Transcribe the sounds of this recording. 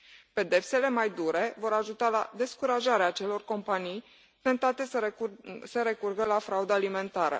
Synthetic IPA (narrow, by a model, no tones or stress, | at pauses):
pe̞d̪e̞pse̞le̞majd̪uɾe̞vo̞ɾaʒut̪ala̰d̪e̞skuɾaʒaɾeaːt͡ʃe̞lo̞rko̞mpanij | t̪ent̪at̪e̞ | səɾe̞kurɡəlafɾaud̪aːlime̞nt̪aɾə̰